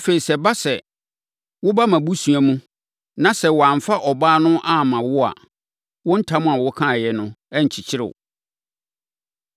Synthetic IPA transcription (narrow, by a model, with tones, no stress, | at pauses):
fe˨i˨sɛ˨ba˦sɛ˨ | wʊ˦ba˦mã˨bu˦su˨a˨mũ˦ | nã˦sɛ˨wɔ˨ã˨ɱ˨fa˦ʔɔ˨baː˦nʊ̃˦ʔa˦˨mã˨wʊ˦a̰˨ | wʊ̃˦n̩˦tʰã˦mʊ̃˦a˨wʊ˦kʰã˦˨jɛ˨nʊ̃˦ɛ˦ɲ̩˨t͡ɕʰi˨t͡ɕʰɪ˦ɾɪ̰˨ʊ̰˨